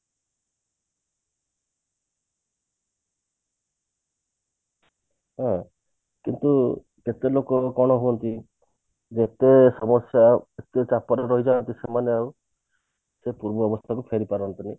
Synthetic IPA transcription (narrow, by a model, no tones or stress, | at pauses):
ɦã | kint̪u | ket̪elokɔkɔɽ̃ɔɦuɔnt̪i | d͡ʒet̪esɔmɔsjaet̪et͡ʃapɔɾaɾɔɦid͡ʒaɔnt̪isemaneaw | sepuɾbɔɔbɔst̪ʰakupʰeɾipaɾɔnt̪ini